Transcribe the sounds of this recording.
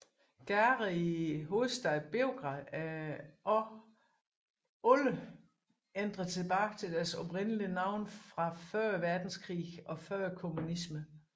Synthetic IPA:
ɡ̥æʁiiɦo̝ːð̩ˠsd̥æð̩ˠb̥e̝oɡ̥ʁɑðˠ | olə | end̥ʁɐt͡sʰe̝b̥ɑ̈ːt͡sʰe̝d̥æɐsɒ̽pʁenəliənɑ̈ʊ̰nfʁɑ̈fɶɐ̰ʋæɐd̥n̩skʰʁḭːɒ̽fɶɐ̰kʰo̝munismə

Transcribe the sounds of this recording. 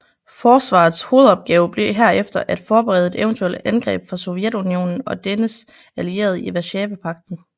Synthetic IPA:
fɒːsʋɑ̰̈ːð̩ˠsho̝ːð̞̩ˠɒ̽b̥̚ɡ̥ɛ̰ːʊb̥le̝ɦæɐ̰efd̥ɐʔæd̥fɒːb̥eʁɛ̰ð̩ˠe̝d̥eʊnt͡sʰuel̰d̥ænɡ̥ʁɛ̰ːb̥fʁɑ̈sɔjed̥unio̝̰ːnn̩ɒ̽d̥enəs | ælie̝̰ːɐðˠiʋæɕɛːʋəpʰɑ̈ɡ̥̚d̥n̩

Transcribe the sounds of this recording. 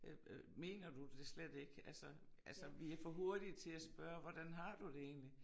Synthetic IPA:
me̝̰ːnɐd̥ud̥e̝sled̥e̝ɡ̥ælsɒ | ʔælsəʋiæɐfɒɦo̝ɐd̥i̥t͡sʰe̝læsb̥ɶɐʋɒd̥ænɦɑ̈d̥ud̥e̝e̝̰ːnli

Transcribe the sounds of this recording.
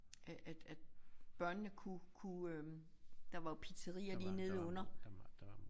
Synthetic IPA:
ʔæʔæd̥æd̥b̥ɶɐnːəkʰukʰuø | d̥ɑ̈ʋɑ̈pʰit͡sʰəʁḭːɐliːne̝ðˠɔ̽n̰ɐ

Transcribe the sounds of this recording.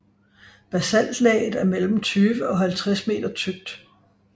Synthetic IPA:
b̥æsæn̰d̥lɛ̰ːɪð̩ˠæɐmel̰m̩t͡sʰyːʋəɒ̽ɦælt͡sʰʁasme̝̰ːd̥ɐt͡sʰyɡ̥̚d̥

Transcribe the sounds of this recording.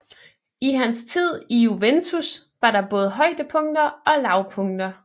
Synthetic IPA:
iɦænst͡sʰið̞̰ˠiuʋent͡sʰusʋɑ̈ɾɑ̈b̥ɔ̽ːð̞̩ˠɦɒ̽ɪ̰d̥əpʰɔ̽ŋ̰d̥ɐɒ̽lɑ̈ʊpʰɔ̽ŋd̥ɐ

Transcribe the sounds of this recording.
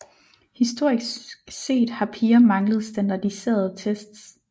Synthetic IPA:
hisd̥o̝ɐ̰ise̝̰ːd̥hɑ̈pʰiːɐmɑ̈ŋləð̩ˠsd̥ænd̥ɑ̈d̥ise̝̰ːɐð̞̩ˠt͡sʰesd̥s

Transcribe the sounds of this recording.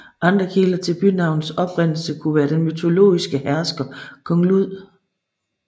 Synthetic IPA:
ʔɑ̈nd̥ʁɐkʰelɐt͡sʰe̝lb̥ynɑ̈ʊnð̩sɒ̽b̥ʁen̰l̩səkʰuʋæːɐd̥enmyt͡sʰo̝lo̝̰ːisɡ̥əhæɐsɡ̥ɐkʰɒ̽ŋluð̰ˠ

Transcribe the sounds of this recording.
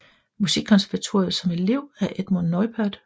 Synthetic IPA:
musiɡ̥̚kʰɒ̽nsæɐʋæt͡sʰo̝̰ːɐð̩ˠsɒ̽me̝le̝ʊ̰æɐʔed̥monːɒɪb̥ʰæɐd̥

